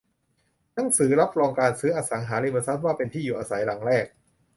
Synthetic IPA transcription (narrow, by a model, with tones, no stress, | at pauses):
na˩˦ŋsɯː˩˦ɾa˦˥p̚ɾɔː˧ŋkaː˧nsɯː˦˥ʔaː˧sa˩˦ŋɦaː˩˦le˧ma˧sa˦˥t̪̚waː˥˩pe˧nt̪ʰiː˥˩uː˨˩ʔaː˧sa˩˦jla˨˩˦ŋɾɛː˥˩k̚